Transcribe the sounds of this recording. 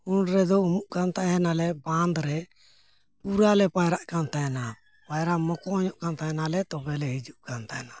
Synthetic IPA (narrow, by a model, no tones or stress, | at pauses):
unɾɛd̪ɔumuʔkant̪aɦɛnalɛband̪ɾɛ | puɾalɛpajɾaʔkant̪ajna | pajɾamɔkɔɔɲɔʔkant̪ajnalɛt̪ɔbɛlɛɦid͡ʒuʔkant̪ana